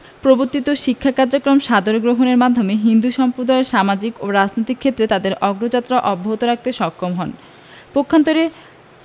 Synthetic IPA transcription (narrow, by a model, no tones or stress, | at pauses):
pɾoboɾt̪it̪oʃikʰːakaɾd͡ʑokɾomʃad̪oɾoɡɾoɦoneɾmad̪ʱːomeɦind̪uʃɔmpɾod̪aeɾʃamad͡ʑikoɾad͡ʑnojt̪ikʰːet̪ːɾet̪ad̪eɾɔɡɾod͡ʑat̪ːɾaʔɔbːaɦot̪oɾak̚t̪eʃɔkʰːomɦɔn | pokʰːant̪oɾe